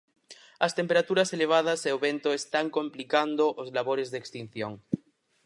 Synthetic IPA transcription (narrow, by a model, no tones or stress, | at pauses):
ɐst̪empeɾat̪uɾaseleβ̞að̞aseoβent̪oest̪aŋkõmplikand̪oʔozlaβ̞oɾezðekst̪in̟θjoŋ